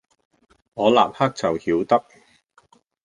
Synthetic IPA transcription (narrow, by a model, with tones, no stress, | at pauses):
ŋɔː˨˧la̰ː˨p̚hɐ˥k̚t͡sɐ˨whiː˨˥wt̪ɐ˥k̚